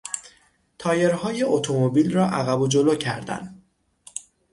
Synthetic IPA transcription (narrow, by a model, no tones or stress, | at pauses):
t̪ʰɒːje̞ɾɦɒːje̞ʔot̪ʰo̞mobilrɒːʔæɣæbod͡ʒo̞loːcʰæɾd̪æ̰n